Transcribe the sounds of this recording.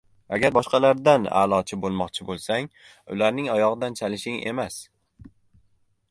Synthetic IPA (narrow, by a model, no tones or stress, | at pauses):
aɡʲaɾbɒʃqɑlaɾd̪ana̰ːlˠɒt͡ʃʰɪbolˠmɒqt͡ʃʰɪbolˠsaŋ | ʊ̰laɾnɪŋɒjɒʁɨd̪ant͡ʃʰalɪʃɪŋḛmas